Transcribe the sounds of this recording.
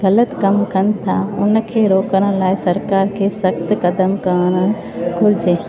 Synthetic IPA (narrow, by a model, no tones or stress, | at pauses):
ɡələt̪kəmkənt̪ʰaʊnkʰeɾoːkəɾə̃laːjsəɾkaɾkʰesəkt̪kəd̪əmkənə | ɡʊɾd͡ʒe